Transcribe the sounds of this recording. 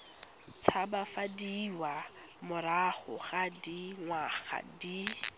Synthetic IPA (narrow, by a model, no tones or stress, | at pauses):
t͡sʰabafadiwa | mʊɾaχʊχadiŋwaχa̰di